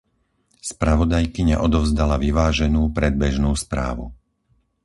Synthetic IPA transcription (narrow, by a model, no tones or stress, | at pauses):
spɾaʋɔd̪ajkiɲa̰ʔɔd̪ɔʊzd̪alaʋiʋaːʒɛnuːpɾɛd̪̚bɛʒnuːspɾa̰ːʋṵ